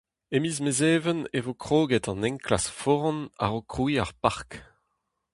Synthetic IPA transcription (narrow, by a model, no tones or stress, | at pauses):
emizmezeːvənevokχoːɡɛtɑ̃nɛ̃ŋkla̰sfɔʁɑ̃na̰ʁokʁuiaʁpaʁk